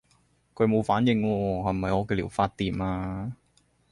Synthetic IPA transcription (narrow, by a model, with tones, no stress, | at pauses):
kʰɵ˨˧ɥmo˨˧wfaː˨˥njɪ˧ŋwɔː˧hɐ˨˩mɐ˨jɔː˨˧kɛː˧liː˨˩wfaː˧t̚t̪iː˨maː˧